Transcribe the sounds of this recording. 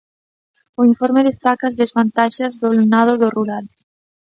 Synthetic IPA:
oiɱfoɾmeðest̪akaːzðezβant̪aʃazðolenað̞oðoruɾal

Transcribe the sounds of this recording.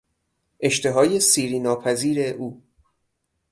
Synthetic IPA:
ʔe̞ʃt̪ʰe̞ɦɒːje̞siːɾiːnɒːpʰæziːɾe̞ʔuː

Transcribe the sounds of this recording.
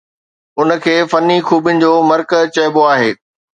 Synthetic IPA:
ʊnə̆kʰeːfɐnːixʰuːbɪnɪ̆d͡ʑoːmɐɾkət͡ɕɐːboaːɦeː

